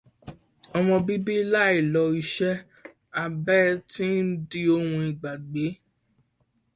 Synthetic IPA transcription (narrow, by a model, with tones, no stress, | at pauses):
ɔ˧mɔ̃˧bi˦bi˦la˦i˦˨lɔ˧i˧ʃɛ˦ | a˧bɛ˦˧tĩ˦n̩˦di˦o˧hũ˧i˨ɡ͡ba˨ɡ͡be˨˦